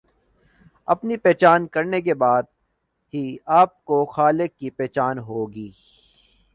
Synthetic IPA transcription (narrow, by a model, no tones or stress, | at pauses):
ɐpnipɛːt͡ʃaːnkɐɾnek̬ebaːd̪̚ | ɦiaːp̚koxaːlɪkːipɛːt͡ʃaːnɦoːɡiː